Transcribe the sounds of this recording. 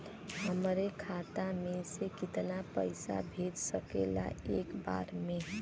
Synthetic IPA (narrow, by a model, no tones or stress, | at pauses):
ɦəmɾekʰat̪amẽsekit̪napəɪsa̰bʱed͡ʒsəkela̰ekba̰ɾme